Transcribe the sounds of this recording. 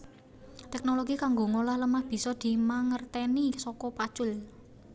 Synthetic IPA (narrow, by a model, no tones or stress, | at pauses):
t̪ɛk̚noloɡikaŋɡoŋolahləmahb̥i̤sɔd̪̥i̤maŋərt̪enisɔkɔpad̥ʒ̥ʊl